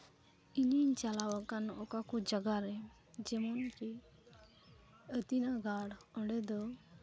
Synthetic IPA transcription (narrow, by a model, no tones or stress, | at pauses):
iniɲt͡ʃalawakanɔkakɔd͡ʒəɡaɾɛ | d͡ʒɛmɔnke | ət̪inaɡaɽɔ̃ɳɖɛd̪ɔ